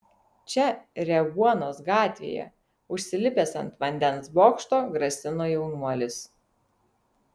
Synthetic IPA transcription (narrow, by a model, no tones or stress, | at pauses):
t͡ʃʲɛɾʲɛɡuɔnoːsɡɑːt̪ʲʋʲḛːjɛ̰ | ʊʃʲsʲɪlʲɪpʲeːsɐ̰nt̪ʋɐnʲd̪ʲɛnsboːkʃt̪oːɡɾɐsʲɪnoːjɛʊnuɔlʲɪs